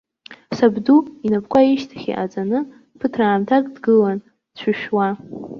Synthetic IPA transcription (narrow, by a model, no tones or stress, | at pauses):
sabduinapʰʼkʷaiʃtʰḁχʲḭʔa̰d͡zʼanɨ | pʰɨtʰraːmtʰakʼdɡɨlan | d̥t͡ɕʷʰɨʃᶣwa